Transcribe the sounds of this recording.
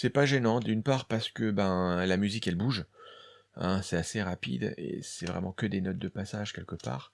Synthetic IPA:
sɛpaʒenɑ̃d̪ynpaʁpaʁsə̥kəbɛ̃lamyzikɛlbuʒ | ɛ̰̃sɛaseʁapḭd̪ḛsɛvʁɛ̰mɑ̃kʲəd̪enɔt̪̚d̪əpasaʒ̥kʲɛlkʲəpa̰ːʁ

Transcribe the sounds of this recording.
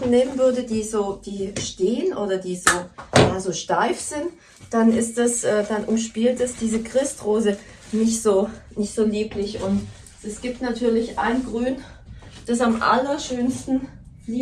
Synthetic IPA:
n̩neːmənvʏɐdədiːzoːd̥iːʃteːənʔoːɾɐdiːzoːjaːzoːʃtaɪfz̥ɪnt | d̥anɪstd̥asʔɛːd̥anʔʊmʃpiːltɛsd̥iːzəkʁ̥ɪstʁoːzə | nɪçtz̥oːnɪçtz̥oːliːpʰlɪçʔʊnt | ɛsɡ̥iːp̚tnatʰyːɐlɪçʔaɪnɡʁyːnd̥asamʔa̰lɐʃøːnstn̩ | iː

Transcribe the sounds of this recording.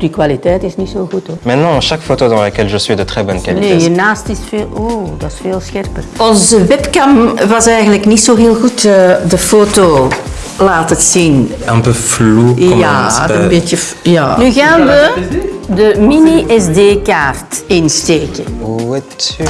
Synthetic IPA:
d̥ikwalitɛːtɪsnisoːɣutomɛ̃t̪nɑ̃ʃakfot̪od̪ɑ̃ləkɛlʒəsɥid̪ət̪χɛbɔnkalinejənaːstɪsfeːloːdɑsfeːlˠsxɛrpərɔnzəʋɛpkɑmʋɑsɛjɣənləknitsoːɦeːlˠɣutədəfoːto | laːtətsin | ɛ̃pøflumaənbetjə | ja̰nyɣaːnʋədəminiʔɛsdeːkaːrtɪnsteːkəɛt

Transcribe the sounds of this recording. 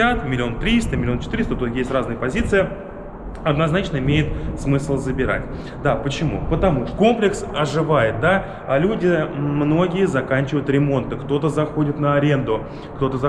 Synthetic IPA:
at̪mʲɪlʲɪo̞nt̪ɾʲist̪əmʲɪlʲɪo̞nt͡ɕɪ̥t̪ɨɾʲɪst̪ət̪ut̪jesʲtʲraznɨjəpɐzʲit̪sɨjə | ɐd̪nɐznat͡ɕnəɪmʲejɪt̪smɨslˠzəbʲɪɾa̰tʲ | d̪apət͡ɕɪmṵpət̪ɐmuʂko̞mplʲɪksɐʐɨvajɪt̪̚d̪a | alʲudʲɪmno̞ɡʲɪjəzɐkanʲt͡ɕɪvəjʊt̪ɾʲɪmo̞nt̪ɨkt̪o̞t̪əzɐxo̞dʲɪt̪nəɐɾʲe̞nd̪ʊ | kt̪o̞t̪əzɐ

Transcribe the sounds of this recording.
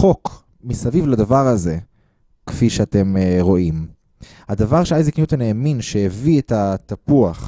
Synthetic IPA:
o̞k | misavivladavaʁaze̞ | kfiʃeate̞mʁo̞ʔim | had̪avaʁʃeajziknijut̪aneːminʃejevietat̪apuaχ

